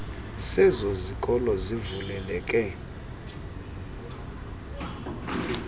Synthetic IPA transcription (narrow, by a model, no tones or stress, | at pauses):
sɛzozikʼɔlɔzivulɛlɛkʼɛ